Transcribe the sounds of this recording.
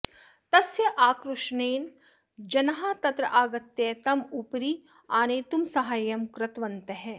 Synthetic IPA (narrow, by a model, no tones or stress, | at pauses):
t̪ɐsjɐʔaːkɾʊʃneːn | d͡ʒɐnɦaːt̪ɐt̪ɾɐ̰ʔaːɡɐt̪jeːt̪ɐmupɾi | aːneːt̪umsɐɦaːjɐmkɾɐt̪ʋɐnt̪ɐɦɛ